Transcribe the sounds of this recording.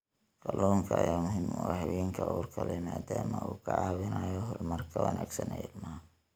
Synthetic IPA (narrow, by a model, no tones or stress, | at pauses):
kɐlɔːŋkʰɐɐjaːmʊɦɪmwɑhɑwɛːŋkʰɐʔuːrkʰɐlɛmaːd̪aːmɐuːkʰɐʕɑːwɪnajɔɦɔrmɐrkʰɐwɐnʔaːɡsɐnɛlmaː